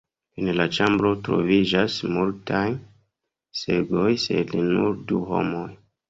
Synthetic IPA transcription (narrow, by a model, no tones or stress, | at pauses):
enlat͡ʃambɾo̞tɾo̞̰vid͡ʒasmultʰaj | se̞ɡo̞jse̞̰linuɾduho̞̰moj